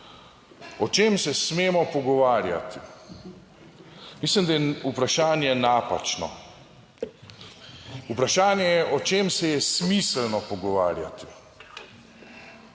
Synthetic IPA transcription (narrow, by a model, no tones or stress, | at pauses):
ɔt͡ʃeːmsɛsmeːmɔpɔɡɔʋaːɾja̰t̪i | mislimd̪ajɛupɾaʃaːnjɛnapa̰t͡ʃnɔ̰ | upɾaʃaːnjɛjɛʔɔt͡ʃeːmsɛjɛsmislnɔpɔɡɔʋa̰ːɾja̰t̪i̥